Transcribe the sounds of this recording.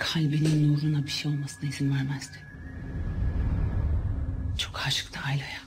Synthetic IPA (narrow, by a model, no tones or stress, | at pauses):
kʰalʲbininjoɾunabiʃejo̞lˠmasɯnaizinvæɾmæzd̪ɪ̥ | t͡ʃʰokhaʃɯ̥kt̪ʰaːjlaja